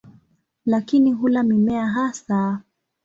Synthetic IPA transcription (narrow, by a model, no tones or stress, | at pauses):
lakiniɦulamimɛaɦasa